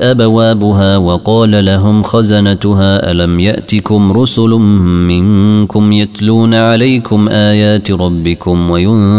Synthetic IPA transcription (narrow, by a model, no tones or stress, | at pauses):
ʔabawaːbʊɦaːwɑqɑːlalaɦʊmxazanat̪ʊɦaːʔa̰lamjaʔt̪ɪkʊmɾʊsʊlmɪŋkʊmjat̪luːnaʕalajkʊmʔaːjaːt̪ɾˤɑbːɪkʊmwajʊ